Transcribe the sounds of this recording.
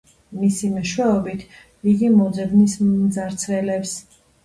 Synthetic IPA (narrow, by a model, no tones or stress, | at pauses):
misimɛʃwɛɔbit̪ʰ | iɡimɔd̪zɛbnismd̪zaɾt̪sʰvɛlɛps